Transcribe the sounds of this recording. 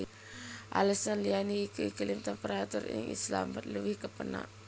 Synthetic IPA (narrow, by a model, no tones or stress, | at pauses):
ʔa̰ləsanlianikəikəlimt̪ɛmpəɾat̪uɾḭŋḭsla̰mbət̪̚ləbihkəpəna̰ʔ